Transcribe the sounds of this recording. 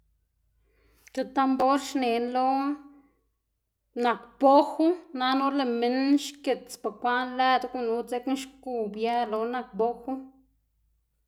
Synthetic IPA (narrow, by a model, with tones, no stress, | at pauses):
ke˨t̪a˦mbo˦ɾʃne˨nlo˦ | na˨kb̥o˦xu˦na˦no˦le˨me˦nʃke˨t͡spa˨kʷa˦nla˦d̪ku˦nu˧˦t͡se˦kn˦ʃku˧˨bja˦lo˧na˧k̚bo˦xu˦